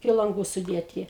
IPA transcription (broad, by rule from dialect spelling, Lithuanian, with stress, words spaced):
ɪkʲɪ lˠɐŋˈɡuː sʊˈdʲeːtʲɪ